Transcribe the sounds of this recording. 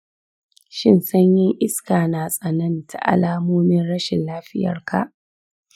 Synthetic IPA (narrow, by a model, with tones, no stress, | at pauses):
ʃɪ˦nsɐ˦ɲjɪ˦ŋʔɪ˦skaː˨naː˨sʼɐ˨nɐ˦ntʰa̰˨ʔa̰˨laː˦moː˦mɪ˦nɽɐ˦ʃɪ˨nlaː˦ɸɪ˦jɐ̰˨rka̰˨ʔ